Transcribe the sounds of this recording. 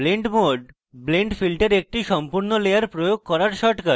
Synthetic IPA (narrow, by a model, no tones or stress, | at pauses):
bleɳʈmoɖ | bleɳʈfilʈeɾek̚ʈiʃɔmpuɾnolejaɾpɾojoɡ̚kɔɾaɾʃɔʈka